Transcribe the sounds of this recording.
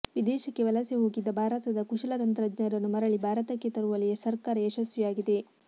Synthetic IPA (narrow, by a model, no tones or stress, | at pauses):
ʋid̪ɛːʃɐkːe̞ʋɐlɐseɦoːɡid̪ːɐbʱaːɾɐt̪ɐd̪ɐkuʃɐlɐt̪ɐnt̪ɾɐd͡ʒnɐɾɐnːumɐɾɐɭibʱaːɾɐt̪ɐkːet̪ɐɾuʋɐlijɐsɐɾkaːɾɐeʃɐsʋɐjaːɡid̪e̞